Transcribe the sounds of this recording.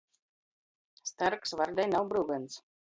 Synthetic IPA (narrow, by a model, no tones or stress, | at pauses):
st̪aɾksvaɾd̪ɛjnawbɾuːɡant̪s